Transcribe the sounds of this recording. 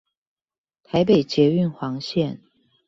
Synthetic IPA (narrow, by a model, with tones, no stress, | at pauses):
t̪ʰa˧˥ɪpe˨ɪt͡ɕjɛ˧˥y˥˨nxwɑ˧˥ŋɕjɛ˥˨n